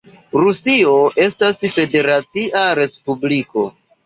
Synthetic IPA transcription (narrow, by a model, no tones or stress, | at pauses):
ɾusio̞ʔe̞stasfe̞de̞ɾat͡siʔaɾe̞spubliko̞̰